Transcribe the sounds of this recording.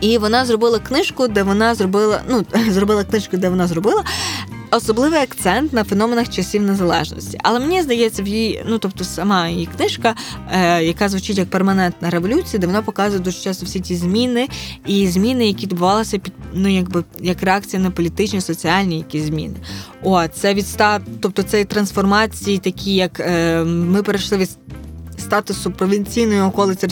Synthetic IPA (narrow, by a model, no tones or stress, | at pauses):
iʋɔnɑzrɔbɪlˠɐknɪʃkʊd̪ɛʋɔnɑzrɔbɪlˠɐ̰nuzrɔbɪlˠɐknɪʃkʊd̪ɛʋɔnɑzrɔbɪlˠɐɔsɔblˠɪʋɪɐkt̪sɛnt̪nɐfenɔmenɐxt͡ʃɐsʲiwnezɐlˠɛ̰ʒnɔ̰sʲtʲḭɐ̰lˠɛmenʲizd̪ɐjɛt͡sʲːɐwjinut̪ɔp̚t̪ɔsɐmɑjjiknɪʃkɐjɐkɑzʋʊt͡ʃɪtʲjɐk̚permɐnɛnt̪nɐɾeʋɔlʲut͡sʲijɐd̪ɛʋɔnɑpɔkɑzʊjɛd̪uʒɪ̥t͡ʃɑst̪ɔwsʲitʲizʲmʲinɪizʲmʲinɪjɐkʲiʋʲɪd̪bʊʋɑlˠɐsʲɐpʲid̪nujɐɡ̚bɪjɐkreɑk̚t͡sʲijɐnɐpɔlʲit̪ɪt͡ʃnʲisɔt͡sʲiɑlʲnʲijɐkʲisʲzʲmʲḭnɪot̪t̪sɛʋʲit̪st̪ɑt̪ɔp̚t̪ɔt̪sɛit̪ɾɐnsfɔrmɑt͡sʲijit̪ɐkʲʰijɐkː | mɪpeɾeʃlˠɪʋʲist̪ɑt̪ʊsʊpɾɔʋʲinʲt͡sʲijnɔjʊɔkɔlˠɪt͡sʲɐ